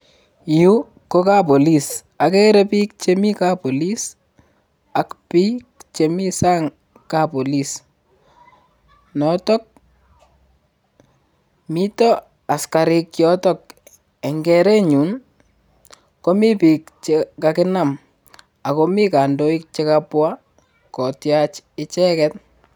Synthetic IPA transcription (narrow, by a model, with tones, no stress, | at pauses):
ju˦ | ko˦ka˦po˨li˦s | a˨kɛ˦ɾɛ˦pi˦k̚t͡ʃemi˦ka˦po˨li˦s | a˦kpi˦k̚t͡ʃemi˦saː˦ŋ | kapo˨lis | nɔ˨tɔ˦k̚ | mi˦tɔ˦ | a˨ska˨ɾɪ˦kjɔtɔ˦k̚ | ɛ˨ŋɡɛ˦ɾɛ˦ɲu˨n | ko˦mi˦pi˨k̚t͡ʃekakɪna˦m | a˨ko˦mi˦ka˨ndo˦ik̚t͡ʃekapwa˦ | kɔ˨tjat͡ʃɪ˦t͡ʃɛ˦kɛt̚